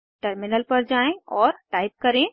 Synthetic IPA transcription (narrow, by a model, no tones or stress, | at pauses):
ʈəɾmɪnəlpɐɾd͡ʒaːẽɔːɾʈaːɪp̚kɐɾẽ